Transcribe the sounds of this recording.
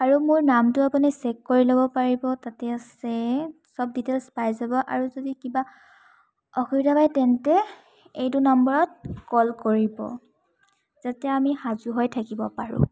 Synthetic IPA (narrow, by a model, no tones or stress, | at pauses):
aɹumʊɹnamtʊapunisɛkːoɹilobɔpaɹibɔtatɛsɛ | sɔb̚ditelspajzabɔʔa̰ɹuzodikiba | ɔxuɹidabajtɛntɛ | ejtʊnɔmbɔɹɔt̚kɔlkoɹibɔ̰ | z̥atɛamihazuɦojtʰakibɔpaɹʊ̰̃